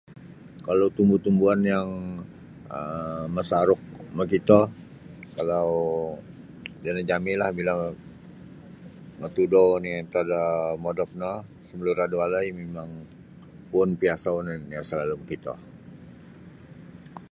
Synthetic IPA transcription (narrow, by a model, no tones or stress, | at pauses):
kalawt̪umbut̪umbuanjaŋ | əməsaɾʊk̚məkit̪ɔ | kalaw | danad͡ʒamilahbilaŋ | mət̪udɔnit̪adamodɔp̚nɔ | səməluɾadualajmemaŋ | pʊnpiasanjasəlaluməkit̪ɔ̰